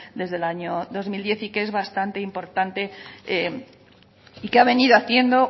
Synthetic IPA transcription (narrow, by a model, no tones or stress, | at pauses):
d̪e̞zðe̞laɲoðo̞zmild̪je̞θikee̞zβast̪ant̪e̞impo̞ɾt̪ant̪e̞e | ikeaβe̞niðoaθje̞nd̪o̞